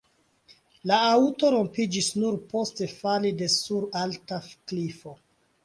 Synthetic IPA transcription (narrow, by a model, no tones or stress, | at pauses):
laauto̞ɾo̞mpid͡ʒisnuɾpo̞ste̞falide̞suɾaltafklifo̞